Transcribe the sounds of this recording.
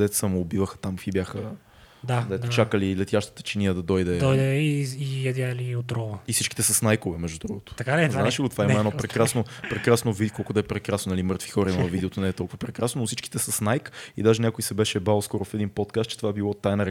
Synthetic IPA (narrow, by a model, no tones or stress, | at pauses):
d̪ɛt̪səmʊːbivəxə̥t̪amfibʲjaxə | d̪ad̪ɛt̪t͡ʃakəlilɛt̪jaʃt̪ə̥t̪ə̥t͡ʃiniəd̪ɐd̪ɔjd̪ɛd̪ɔjd̪ɛiijɛd̪jaliot̪ɾɔvəifsit͡ʃki̥t̪ɛsɐsnajkovɛmɛʒd̪ud̪ɾuɡʊt̪ʊ̥t̪ɐkaɛznat͡ʃilˠot̪ovaɛimmɛnɔpɾɛkɾasnopɾɛkɾasnovid̪ikɔlˠkʊd̪ɐɛpɾɛkɾasnonɐlimɤɾt̪vi̥xɔɾɐimɐvid̪ɛot̪onɛːt̪ɔlˠkuvɐpɾɛkɾasnonofsit͡ʃki̥t̪ɛsɐsnajkid̪aʒɛnʲakʊjsɛbɛʃɛbalˠskɔɾʊfɛd̪inpɔt̪kast̪̚t͡ʃɛ̥t̪ovaɛbilˠɔt̪ajnɐɾɛ